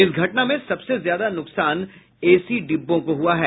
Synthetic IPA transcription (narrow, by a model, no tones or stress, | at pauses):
ɪsɡʱɐʈnamẽsɐbsezjaːd̪anʊksaːn | eːsiɖɪbːõkoɦuaɦɛː